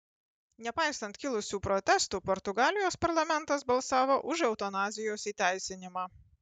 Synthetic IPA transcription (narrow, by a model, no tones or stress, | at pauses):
nʲɛpɑɪsɐnt̪ʲkʲɪlˠʊsʲuːpɾɔt̪ʲɛst̪uːpɔɾt̪ʊɡɑːlʲɪjoːspɐɾlˠɐmʲɛnˑt̪ɐsbɐlˠsɑːʋoːʔʊʒɛʊt̪ɔnɑːzʲɪjoːsiːt̪ʲæˑɪsʲɪnʲɪmɑː